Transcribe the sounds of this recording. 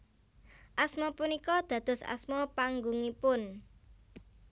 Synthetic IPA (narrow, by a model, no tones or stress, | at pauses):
ʔasmɔpunikɔd̪̥ä̤d̪̥ʊ̤sa̰smɔpaŋɡuŋipʊn